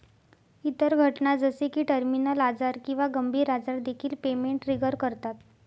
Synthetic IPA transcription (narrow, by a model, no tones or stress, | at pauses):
it̪əɾɡʱəʈnad͡zəsekiːʈəɾminəlad͡zaɾkĩw̃ʋaɡəmbʱiːɾad͡zaɾd̪ekʰiːlpemeɳʈɾiɡəɾkəɾt̪at̪